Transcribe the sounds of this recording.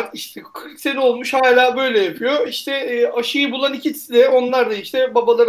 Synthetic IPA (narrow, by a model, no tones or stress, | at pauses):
iʃt̪ʰɛkʰɯɾkse̞nio̞lˠmuʃhaːlʲaːbø̞jlʲɛjapʰyjo̞iʃt̪ʰɛːaʃɯjɯbulˠanicʰit̪ʰi̥sid̪ɛo̞nlˠaɾd̪aiʃt̪ʰɛbabalˠaɾ